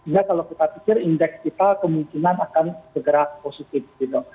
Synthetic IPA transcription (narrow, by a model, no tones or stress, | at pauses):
inakalokit̪apikɪrindɛkskit̪akəmuŋkinanakansəɡəɾaposit̪ɪfɡ̥it̪u